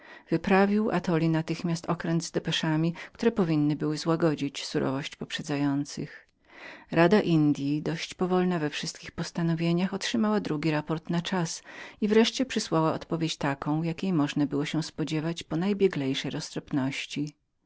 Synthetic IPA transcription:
v̥ɘpɾavʲiwʔa̰t̪ɔlʲinat̪ɘxmʲjast̪ɔkɾɛnd̪zd̪ɛpɛʂamʲik̚t̪uɾɛpɔvʲinːɘbɘwɘzwaɡɔd͡ʑit͡ɕsuɾɔ̰vɔɕt͡ɕpɔpʂɛd̪zajɔnt̪sɘ̰x | ɾad̪aʔind̪ʲjid̪ɔɕt͡ɕpɔvɔlnavɛfʂɘst̪̚kʲixpɔst̪anɔvʲjeɲaxɔtʂɘmawad̪ɾuɡʲiɾapɔɾt̪nat͡ʂasivɾɛʂt͡ɕɛpʂɨswawaɔ̰t̪pɔvʲjet͡ɕt̪akɔ̃w̃jakʲejmɔʐnabɘwɔɕɛ̃spɔd͡ʑɛvat͡ɕpɔnajbʲjɛɡlɛjʂɛjɾɔst̪ɾɔpnɔɕt͡ɕi

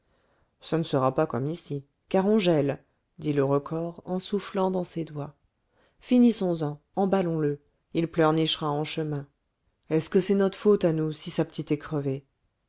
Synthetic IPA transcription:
sanəsəʁapakɔmisi | kaʁɔ̃ʒɛl | d̪iləʁəkʰɔʁɑ̃suflɑ̃d̪ɑ̃sed̪wa | finisɔ̃zɑ̃ | ɑ̃balɔ̃lə | ilplœʁniʃʁaɑ̃ʃəmɛ̃ | ɛskəsɛnɔt̪χfot̪anusisapə̥t̪ʰit̪ɛkχəve

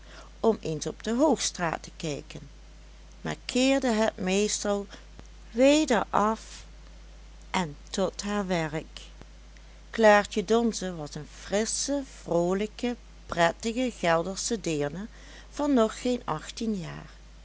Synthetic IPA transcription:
ɔmensɔb̚d̥əɦowxstra̰ːtə̥kɛjkən | ma̰ːɹkʰɪːɹdəɦət̚mejstɑlˠ | ʋejdəɹɑf | ʔɛntɔtɦaːɹʋɛɹk | laːɹtədɔnzəʋɑsənv̥rɪsəv̥roːləkə | prɛtəɣəɣɛlˠdəɹsədɪːɹnə | v̥ɑnːɔχːejnɑxtinja̰ːɹ

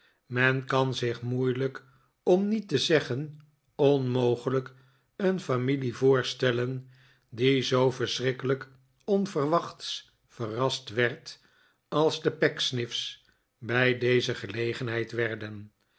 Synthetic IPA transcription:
mɛnkɑnzɪχmujlək | ɔmnitəzɛχən | ɔnmowχələk | ənfamilivʊːɹstɛlən | dizowfəɹsrɪkələk | ɔnvərʋɑχts | fərɑstʋɛɹt | ɑlˠzdəpɛksnɪfs | bɛjdejzəχəlejχənɦɛjtʋɛɹdən

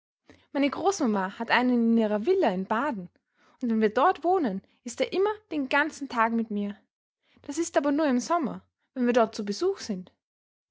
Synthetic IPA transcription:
maɪnəɡʁoːsmamaːhatʔaɪnənɪniːʁɐvɪlɐɪnbaːdn̩ | ʊntvɛnviːɐdɔɐtv̥oːnən | ʔɪsteːɐʔɪmɐd̥eːnɡant͡sn̩tʰaːkmɪtmiːɐ | d̥asɪstʔaːbɐnuːɐɪmzɔmɐ | vɛnviːɐdɔɐt̚t͡subəzuːxz̥ɪnt

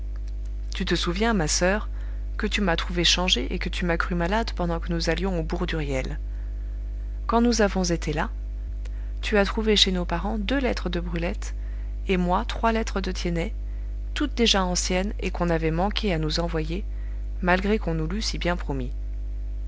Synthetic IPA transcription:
t̪yt̪əsuvjɛ̃masœʁ | kət̪ymat̪χuveʃɑ̃ʒeʔekət̪ymakχymalad̪pɑ̃d̪ɑ̃kənuzaljɔ̃obuʁd̪yʁjɛl | kɑ̃nuzavɔ̃zet̪ʰela | t̪yat̪χuveʃenopaʁɑ̃d̪ølɛt̪χəd̪əbʁylɛt̪ | emwat̪χwalɛt̪χəd̪ət̪jenɛ | t̪ut̪̚d̪eʒaɑ̃sjɛnḛkɔ̃navɛmɑ̃kʲʰeanuzɑ̃vwaje | malɡʁekɔ̃nulysibjɛ̃pχɔmi

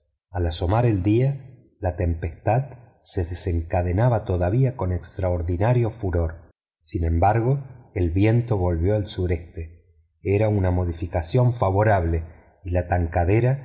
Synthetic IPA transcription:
alaso̞maɾe̞ld̪ia | lat̪e̞mpest̪að | se̞ðese̞ŋkað̞enaβat̪o̞ðaβ̞iako̞nekst̪ɾaoɾðinaɾjo̞fuɾoɾ | sinẽ̞mbaɾɣo̞elβje̞nt̪o̞βo̞lβjo̞alsuɾe̞st̪e | eɾaunamo̞ðifikasjo̞ɱfaβo̞ɾaβle̞ | ilat̪aŋkaðeɾa

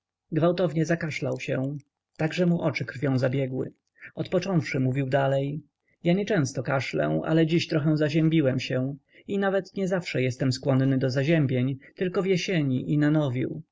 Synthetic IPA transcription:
ɡvawt̪ɔvɲɛzakaʂlawɕɛ | t̪aɡʐɛmuʔɔt͡ʂɘkɾfʲjɔ̃w̃zabʲjɛɡwɘ̰ | ɔt̪pɔt͡ʂɔ̃w̃fʂɘmuvʲiwd̪alɛj | jaɲɛt͡ʂɛ̃w̃st̪ɔkaʂlɛ̰a̰lɛd͡ʑiɕt̪ɾɔxɛ̃w̃zaʑɛmʲbʲiwɛmɕɛ | inavɛt̪ɲɛzafʂɛjɛst̪ɛmskwɔnnɘd̪ɔzaʑɛmbʲjeɲt̪ɘlkɔvjɛɕeɲiʔinanɔvʲḭw

